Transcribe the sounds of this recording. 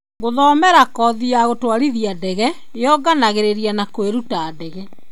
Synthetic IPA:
ɡoðɔmɛɾakɔðiaɣotwaɾiðiadɛɣɛ | ejɔɡanaɣeɾeɾianakoeɾutaːdɛɣɛ

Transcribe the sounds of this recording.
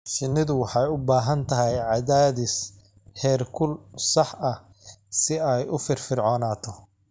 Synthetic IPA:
sɪnːɪðʊwɑħɑjʊbaːɦɐnt̪ʰɐɦɛjʕɑðaːðɪs | hɛːrkʰʊlsɑħʔɐ | sɪɛjʊfɪrfɪrʕɔːnaːt̪ʰɔ

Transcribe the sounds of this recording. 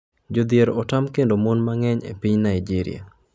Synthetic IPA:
d͡ʒod̪jeɾɔtamkendomonmaŋɛɲḛpiɲnaid͡ʒiɾḭa̰

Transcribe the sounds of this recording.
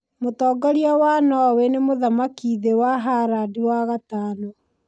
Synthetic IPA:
motɔːɡaɾiawanɔwɛnemoðamakiðewaɦaɾadiwaɣataːnɔ

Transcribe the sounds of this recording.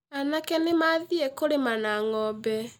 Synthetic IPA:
anakɛnemaðiɛkoɾemanaŋɔbɛ

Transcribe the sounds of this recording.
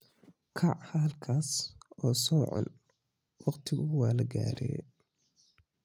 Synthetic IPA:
kʰɐʕhɐðɐlkʰaːsɔːsɔːʕɔ̰n | wɑqt̪ʰɪɣʊwɑːlɐɡa̰ːɾɛ̰ː

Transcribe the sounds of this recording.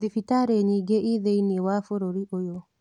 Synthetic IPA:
ifitaɾeɲiɡeʔiðeiniewafoɾoɾiʔojo

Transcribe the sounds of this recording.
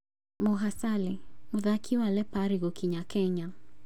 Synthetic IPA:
muɦasalimuðakʰiwalɛpaɾiɣɔkiɲakɛɲa

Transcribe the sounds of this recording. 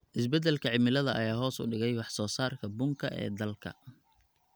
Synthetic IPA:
ʔɪsbɛd̪ɛlkʰɐʕɪmɪlɐðɐʔɐjaːɦɔːsʊ̰ɖɪɣɛjwɑħsɔːsaːrkʰɐbʊŋkʰɐ̰ʔɛ̰ːd̪ɐlkʰɐ̰

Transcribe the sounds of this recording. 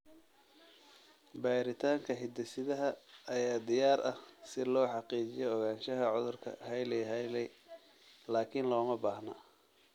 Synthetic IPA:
baːɾɪt̪ʰaːŋkʰɐhɪd̪ɐsɪðɐɦɐːjaːd̪ɪjaːɾɐ̰hsɪlɔːħɑqiːt͡ʃɪjɔɔɣaːnʃɐɦɐʕʊðʊrkʰɐ̰ɦɐjlɛjɦɛjlɛj | laːkʰɪnlɔːmɐbaːhnɐ

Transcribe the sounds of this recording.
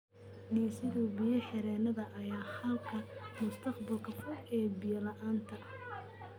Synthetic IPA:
ɖiːsɪðʊbɪjɐħɪɾɛːnɐðɐʔːjaːhɐlkʰɐmʊst̪ʰɐqbɐlkʰɐfɔʔɛːbɪjɐlɐʔaːnt̪ʰɐ

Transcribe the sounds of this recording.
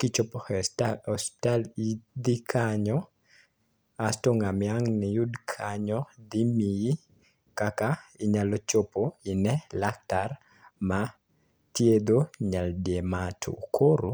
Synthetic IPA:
kit͡ʃopoɔstalid̪ikʰaɲɔ | astoŋamɪaŋnɪjudkʰaɲɔd̪imiji | kakaɪɲalɔt͡ʃopoɪnɛlak̚tar | ma | tjed̪oɲaldjematʰo̰kʰoɾo

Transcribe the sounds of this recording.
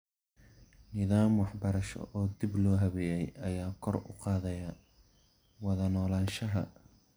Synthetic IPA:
nɪːðaːmwɑħbɐɾɐʃɔ̰ʔɔːd̪ɪblɔːɦɐβɛːjɛjɐjaːkʰɔrʊ̰qɑːðɐjɐ | wɑðɐnɔːlaːnʃɐɦɐ̰

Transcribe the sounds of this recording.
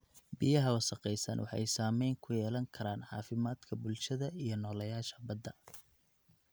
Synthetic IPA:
bijɐɦɐwɑsɐqɛjsɐ̰nwʔɑ̰ħɑ̰jsaːmɛjŋkʰʊjɛːlɐŋkʰɐɾaːnʕɑ̰ːfɪmaːd̪̥kʰɐbʊlʃɐðɐijɞnɔːlɐjaːʃɐ̥bɐd̪ːɐ

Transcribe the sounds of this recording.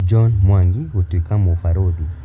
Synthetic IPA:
d͡ʒɔnmwaŋɡihutuikamɔfaɾoði

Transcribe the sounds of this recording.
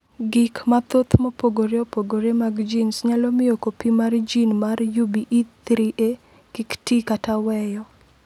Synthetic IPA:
ɡɪkmat̪ot̪mopoɡoɾeopoɡoɾemaɡd͡ʒinsɲalɔmɪjokopimard͡ʒinmarjubiʔit̪ɾiʔe | kiktikatawɛjɔ

